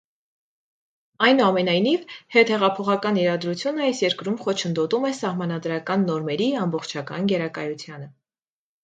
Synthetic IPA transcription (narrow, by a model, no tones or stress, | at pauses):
ɑjnuɑmɛnɑjnivhɛt̪hɛʁɑpʰɔχɑkɑniɾɑd̪ɾut͡sʰjunəɑjsjɛɾkɾumχɔt͡ʃʰənd̪ɔt̪umɛsɑhmɑnɑd̪ɾɑkɑnːɔɾmɛɾiɑmbɔχt͡ʃʰɑkɑ̰nɡɛɾɑkɑjut͡sʰjɑnə